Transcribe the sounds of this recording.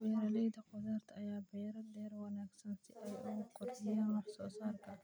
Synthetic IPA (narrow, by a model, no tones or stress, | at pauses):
wɛːɾɐlɛjd̪ɐqʊðaːrt̪ʰɐjaːbɛjɾɐd̪ɛːrwɐnaːɡsɐnsɪʔɛjʔʊɣʊqʊrd̪ɪjaːnwɑħsɔːsaːrkʰɐ